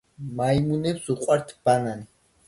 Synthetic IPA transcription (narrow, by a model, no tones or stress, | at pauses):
majmunɛpsuqʼwaɾt̪ʰb̥aŋan